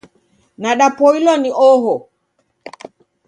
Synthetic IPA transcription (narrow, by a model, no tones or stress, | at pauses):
naɗapɔilɔniʔɔɦɔ